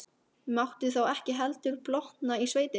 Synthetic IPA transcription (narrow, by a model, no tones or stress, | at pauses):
mawht̪ʏθawɛhcɪɦɛlt̪ʏɾplɔht̪naisveːjt̪ɪ